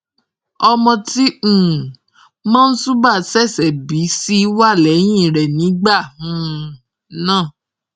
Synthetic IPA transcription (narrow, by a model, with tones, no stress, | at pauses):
ɔ˧mɔ̃˧tĩ˦˨ | mãː˦n̩˦su˦ba˦˨sɛ˦˨sɛ˨bi˨˦si˦wa˦˨lɛ˨˦j̃ĩ˦˨ɾɛ˨nĩ˨˦ɡ͡ba˦˨ũ˨ | nãː˦˨